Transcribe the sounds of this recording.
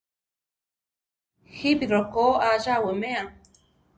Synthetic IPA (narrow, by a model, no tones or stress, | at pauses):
hibiɾɔkɔaʒawəmea